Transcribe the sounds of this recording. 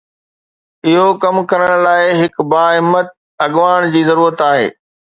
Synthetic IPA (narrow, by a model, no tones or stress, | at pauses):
ɪɦokɐmkɐɾəɽ̃laːɪɦɪkbaːɪmːət̪̚ | ɐɠʋaːɽ̃d͡ʑiːzɐɾuːɾət̪aːɦḛː